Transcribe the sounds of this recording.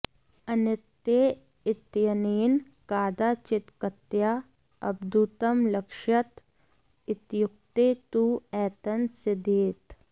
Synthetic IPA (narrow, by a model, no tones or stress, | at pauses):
ɐnɪt̪ːje | ɪt̪jɐniːn | kaːd̪aːt͡ʃɪt̪kət̪jaː | ɐ̰b̚d̪ut̪əmlɐkʃɐt̪ | ɪt̪jʊk̚t̪eːt̪uɛːt̪ənsɪd̪eːt̪